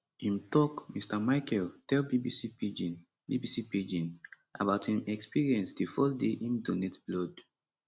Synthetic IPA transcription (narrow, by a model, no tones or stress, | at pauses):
ĩmtɔkmistamaɪkɛltɛlbibisipid͡ʒin | bibisipid͡ʒĩn | ʔa̰baʊthĩmɛkspiɹiɛ̃nsdifɔldeʔĩmdonetblɔd